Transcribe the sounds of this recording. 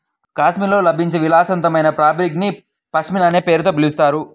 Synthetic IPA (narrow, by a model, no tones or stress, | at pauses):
kaːsmilo̞ːlɐbʱiɲt͡ʃeʋilaːsɐnt̪ɐmɐjnɐpɾaːbɾikni | pɐsmilaneːpe̞ːɾut̪o̞ːbilist̪aːɾu